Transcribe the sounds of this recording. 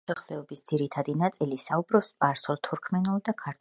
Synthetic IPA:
aχlɛɔbisd̪z̥iɾit̪ʰad̪inat̪sʼilisaubɾɔpspʼaɾsɔlˠt̪ʰuɾkʰmɛnulˠd̪akʰaɾt̪ʰ

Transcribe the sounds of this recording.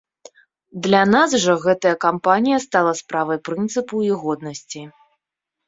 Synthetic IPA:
d̪lʲanasʐɔɣɛt̪ɐjɐkampanʲijɐst̪alˠɐspɾavɐjpɾɨnt̪sɨpuiɣɔd̪̚nɐsʲt͡sʲi

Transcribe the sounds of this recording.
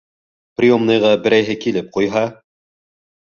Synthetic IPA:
prʲijomnɤ̆jʁɑbɘ̆ɾæjɦɘkilɘp̚qujɦɑ

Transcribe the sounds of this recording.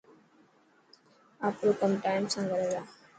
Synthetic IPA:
aːpɾoːkəmʈaːɪmsãːɡəɾeːd̪aː

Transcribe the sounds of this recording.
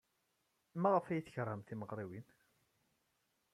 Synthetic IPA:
mæʁəfæjiθəçɾˤːəmθiməʁɾˤiwin

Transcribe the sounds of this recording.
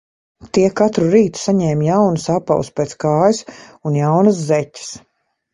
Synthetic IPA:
t̪iɛkat̪ɾuɾiːt̪u̥saɲɛːmjawnusapa̰wspʲeːt̪skaːjusunjawnɐs̬zɛcʲɪ̥s

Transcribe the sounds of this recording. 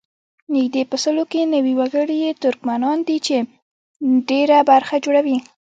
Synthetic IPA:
nɪɡd̪epəsəlokenawiwaɡəɽijet̪ʊɾkmanɑnd̪it͡ʃe | ɖeɾabaɾxad͡ʒoɽawi

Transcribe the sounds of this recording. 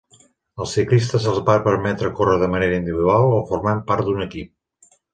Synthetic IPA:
əlˠsiklist̪əzəlˠzβapəɾmɛt̪ɾəkorəðəməneɾəind̪iβiðualˠofurmampaɾt̪̚d̪unəkip̚

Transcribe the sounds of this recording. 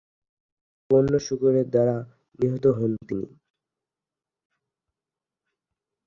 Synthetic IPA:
ponːoʃukoɾeɾd̪aɾa | niɦot̪oɦont̪inḭ

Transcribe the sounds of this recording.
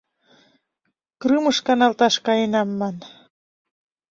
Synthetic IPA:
kɾɨməʃkɑnɑlt̪ɑʃkɑjenɑmːɑn

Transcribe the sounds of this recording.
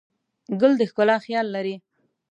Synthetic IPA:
ɡʊld̪əxkʊlɑxjɑlːaɾi

